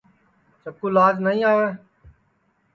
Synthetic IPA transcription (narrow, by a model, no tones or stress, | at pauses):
t͡ʃəb̚kuːlaːd͡ʒnəĩːaːʋẽː